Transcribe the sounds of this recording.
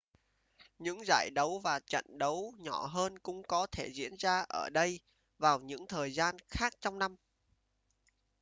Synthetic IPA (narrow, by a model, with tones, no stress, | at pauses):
ɲɨ̰˧˥ŋza̰ː˧˩jɗə˨˦wvaː˨˩t͡ɕə̰˧˨nɗə˨˦wɲɔ˧˩ɦəː˧nkʊ̰˧˥ŋ͡mkɔ˨˦t̪ʰe˧˩zḭ˧˥ənzaː˧ʔəː˧˩ɗə˧j | vaː˨˩wɲɨ̰˧˥ŋt̪ʰəː˨˩jzaː˧nxaː˦˥k̚t͡ɕɔ˧wŋ͡mna˧m